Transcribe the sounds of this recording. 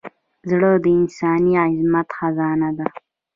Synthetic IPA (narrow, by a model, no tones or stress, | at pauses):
zɽəd̪əɪnsɑːniaɪzmat̪xazɑːnad̪a